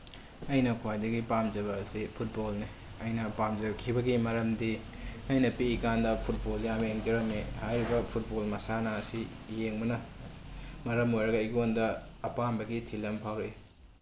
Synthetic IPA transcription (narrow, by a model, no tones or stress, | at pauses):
ɐjnɐkʰwajdɐɡipamzɐβɐsipʰut̚bolni | ɐjnɐpamzɐkʰibɐɡimɐɾɐmdi | ɐjnɐpiːkandɐpʰut̚boljameŋd͡ʒɐɾɐmehajɾibɐpʰut̚bolmɐsanɐːsi | jeŋbɐnɐ | mɐɾɐmojɾɐɡɐjɡondɐː | panbɐɡitʰilɐmpʰawɾe